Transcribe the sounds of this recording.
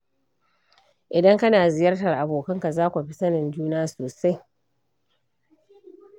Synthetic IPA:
ʔɪ˨dɐ˦ŋkɐ˦naː˨zɪ˨jɐ˦rtɐ˨rʔa˨boː˨kɐ˦ŋka˨zaː˦kʷu˨ɸi˦sɐ˦nɪ˨nd͡ʒuː˦naː˦soː˨sa˦j

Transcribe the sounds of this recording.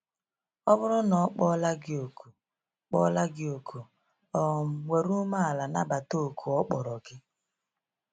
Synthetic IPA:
ɔ˦bʊ˦ɾʊ˦nɔ˨˦k͡pɔ˦la˦ɡɪ˦o˨ku˨ | k͡pɔ̰˦la˦ɡɪ˦o˨kʰu˨ | ɔ˨m̩˨we˨ɾu˦ma˦a˨la˨na˦ba˨to˦˨kʰu˨ɔ˦k͡pɔ˨ɾɔ˨ɡɪ˦

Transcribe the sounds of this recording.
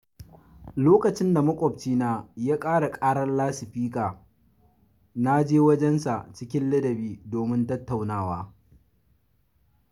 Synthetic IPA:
loː˦kɐ˨t͡ʃɪ˦nda˨mɐ˦kʷʼɔ˨b̚t͡ʃiː˦naː˦jaː˦kʼaː˦ɽa˨kʼaː˦ɽɐ˦nlaː˦sɪ˨ɸiː˦kʼaː˨ | na˦d͡ʒeː˦wɐ˦d͡ʒɛ˦nsa˨t͡ʃɪ˦kʲɪ˦nlɐ˦dɐ˨biː˦doː˨mɪ˦ntɐ˦tːa˨wnaː˦˨waː˦

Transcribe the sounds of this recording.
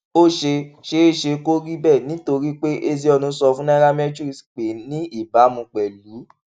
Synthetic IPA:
o˦ʃe˧ʃe˧˦e˦˨ʃe˧ko˦ɾi˦bɛ˦˨nĩ˨˦to˧ɾi˦k͡pe˦ʔe˧zi˧ɔ˧nũ˧˦sɔ˧fũ˦nã˦ɾa˦mɛ˦d͡ʒu˦ɾi˨sk͡pe˨˦nĩ˦i˦˨ba˨˦mũ˧k͡pɛ˨lu˨˦

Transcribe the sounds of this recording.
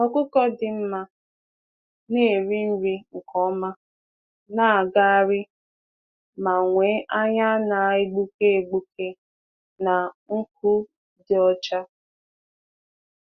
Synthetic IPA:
ɔ˨kʊ˦kɔ˦dɪ˨m̩˦ma˦ | ne˦e˨ɾi˦n̩˦ɾi˦ŋ̩˨kʰɔ˦ma˦ | na˦a˨ɡa˦a˦ɾɪ˦ | ma˨ŋʷe˨˦ʔa˦ɲa˦na˨ɪ˦ɡ͡bu˦ke˦e˨ɡ͡bu˦ke˦ | na˨ŋ̩˦k̚u˦ | dɪ˨ɔ˦t͡ʃa˦

